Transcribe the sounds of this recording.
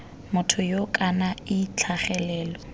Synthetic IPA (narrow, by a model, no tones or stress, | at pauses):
mʊtʰʊjokʼanaɪt͡ɬʰaχɛlɛːlɔ